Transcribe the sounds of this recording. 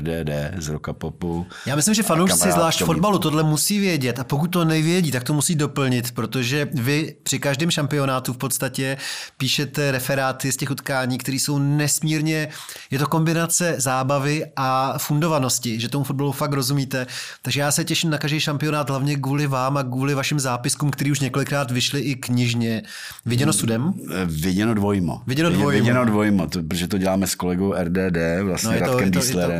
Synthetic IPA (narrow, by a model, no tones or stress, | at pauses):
dɛːdɛːzɾokapopu | jaːmɪslɪmʒɛfanowʃt͡sɪzlaːʃtfo̞dbalut̪o̞dlɛmusiːvjɛɟɛt̪ʔapo̞kut̚ʲt̪o̞nɛvjɛɟiːt̪ak̚t̪o̞musiːdo̞pl̩ɲɪt̪pɾo̞t̪o̞ʒɛvɪpr̝̥ɪkaʒdɪːmʃampɪo̞naːt̪ufpo̞t̪st̪acɛpiːʃɛt̪ɛɾɛfɛɾaːt̪ɪscɛxut̪kaːɲiːkt̪ɛɾiːso̞wnɛsmiːɾɲɛ | jɛt̪o̞ko̞mbɪnat͡sɛzaːbavɪʔafundo̞vano̞scɪʒɛt̪o̞mufod̚balufakɾo̞zumiːt̪ɛt̪aɡʒɛjaːsɛcɛʃɪmnakaʒdijʃampɪo̞naːd̪ɦlavɲɛɡ̬uːlɪvaːmakuːlɪvaʃɪmzaːpɪskuːmkt̪ɛɾiːuʃ̬ɲɛko̞lɪkɾaːt̪vɪʃlɪʔɪkɲɪʒɲɛ | vɪɟɛnosudɛmvɪɟɛnodvojmo̰vɪɟɛnovojɪɟɛnodvojmot̪opɾoʒɛt̪oɟɛlaːmɛskolɛɡowʔɛɾdɛːdɛːvla̰snojɛɾat̪okɛmdijsɛlɛɾɛ